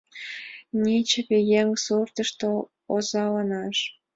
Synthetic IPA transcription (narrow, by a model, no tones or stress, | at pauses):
nʲit͡ɕeβejeŋsurt̪əʃt̪o | ozɑlɑnɑʃ